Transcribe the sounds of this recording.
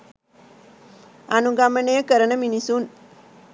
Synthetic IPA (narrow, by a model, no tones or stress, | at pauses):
ɐnuɡɐmənejəkəɾənəminisun